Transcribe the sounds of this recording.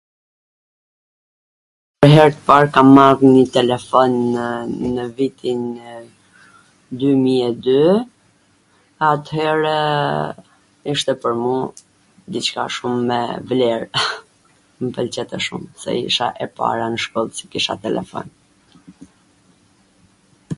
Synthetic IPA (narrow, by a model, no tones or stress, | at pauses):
pəɾɦɛɾt̪ə̥paɾkamarɲit̪ɛlɛfɔnː | əvit̪ʰin | d̪ymiɛd̪y | at̪hɛɾɛ | iʃt̪ɛpəɾmu | d̪it͡ɕka̰ʃumːɛ̰vlɛɾ | məpəlt͡ɕɛt̪ɛʃṵmsɛ̰ḭʃa̰ʔɛpa̰ɾanəʃkɔlˠsi̥kiʃa̰t̪ɛlɛ̰fɔ̰n